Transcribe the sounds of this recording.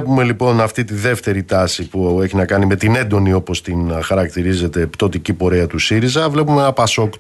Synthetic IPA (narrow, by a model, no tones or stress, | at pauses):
pume̞lipo̞nɐft̪it̪iðe̞ft̪e̞ɾit̪ɐsipue̞çinɐkɐnime̞t̪ine̞nd̪o̞nio̞po̞st̪inxɐɾɐkt̪iɾize̞t̪e̞pt̪o̞t̪icipo̞ɾeɐt̪usiɾizɐvle̞pumeenɐpɐso̞kt̪